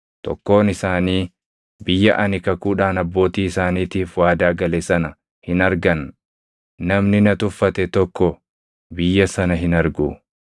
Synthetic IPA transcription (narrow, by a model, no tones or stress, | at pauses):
t̪ɔ̰kːo̞ːnɪsaːniː | bɪjːɐʔɐnɪkɐkuːᶑaːnɐbːo̞ːt̪iːɪsaːniːt̪iːfwaːd̪aːɡɐlɛsɐnɐ | hɪnɐɾɡɐnː | ɐmnɪnɐt̪ʊfːɐt̪ɛt̪ɔkːɔ | bɪjːɐsɐnɐɦɪnɐɾɡu